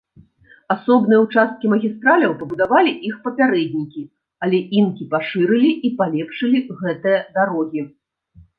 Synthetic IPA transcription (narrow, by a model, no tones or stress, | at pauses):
asɔbnɨjɐwt͡ʂast̪̚kʲimɐɣʲist̪ɾalʲɐwpɐbud̪avalʲiʔixpɐpʲaɾɛd̪̚ʲnʲikʲi | alʲɛʔinkʲipaʂɨɾɨlʲiʔipalʲɛpʂɨlʲiɣɛt̪ɨjɐd̪aɾɔɣʲi